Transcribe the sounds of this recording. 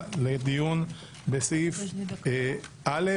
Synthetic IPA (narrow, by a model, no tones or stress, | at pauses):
led̪ijun | besif | ʔale